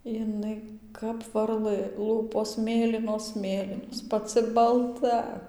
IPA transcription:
jɪˈnɐɪ kɐp ʋɐrˈlˠɘ ˈlˠuːpoːs ˈmʲeːlʲiːnoːs ˈmʲeːlʲiːnoːs pɐˈt͡sɨ bɐlˠˈtɐ

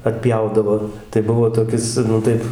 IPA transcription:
ɐtʲˈpʲjɛʊdɐʋoː tɐɪ ˈbʊʋoː toːˈkʲɪs nʊ ˈtɐɪp

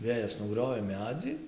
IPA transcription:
ˈʋʲeːjɛs nʊˈɡrʲoːʋʲeː ˈmʲæːd͡zʲiː

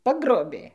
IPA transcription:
ˈpɑːɡroːbʲeː

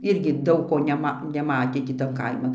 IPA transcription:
ˈɪrʲɡʲɪ ˈdɐʊk koː nʲɛˈmɐ nʲɛˈmɑːtʲeː tʲiː ˈtɐn ˈkɐɪmɐn

